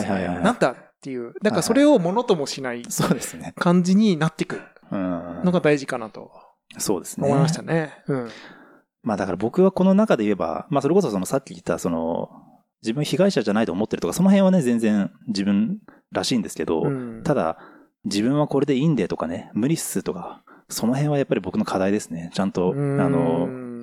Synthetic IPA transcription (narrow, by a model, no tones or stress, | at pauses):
haihaihaihanat̪ːat̪ːejɯ̟ːd̪akkaso̞ɾe̞o̞mo̞no̞t̪o̞mo̞ɕinaiso̞ːd̪e̞sɨne̞kãɲ̟d͡ʑiɲ̟inat̪ːe̞kɯ̟ | ɯ̃ːnoɡad̪aiʑikanat̪o̞̰ | so̞ːd̪e̞sɨnomoimaɕi̥t̪aneɯ̟̃ | maːd̪akaɾabo̞kɯ̟βako̞no̞nakad̪e̞ie̞ba̰maːso̞ɾe̞ko̞s̬o̞so̞nosakʲːii̥t̪ːaso̞no̞̰ | d͡ʑibɯ̃açiɡaiɕaʑanait̪o̞ːmo̞t̪ːeɾ̟t̪okaso̞no̞ɦẽ̞ɰ̃βane̞zẽ̞nd͡zẽɰ̃d͡ʑibɯ̟̃n | ɾaɕiːnd̪e̞sɨ̥ke̞d̪o̞̰t̪ad̪a̰ | d͡ʑibɯ̟̃ɰ̃βako̞ɾe̞d̪e̞ĩnd̪e̞ːt̪o̞kane̞mɯ̟ɾʲi̥sɨt̪o̞kaso̞no̞ɦẽ̞βajapːaɾʲibo̞kɯ̟no̞kʰad̪aid̪esɨ̥ne̞t͡ɕãnt̪o̞ano̞